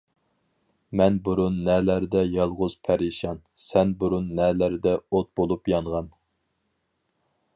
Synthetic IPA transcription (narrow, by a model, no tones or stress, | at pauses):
mɛnbuɾunːɛlæɾd̪ɛjɑlˠʁʊz̥pʰæɾiʃɑn | sɛnbuɾunːɛlæɾd̪ɛot̪̚bolˠupjɑɴʁɑn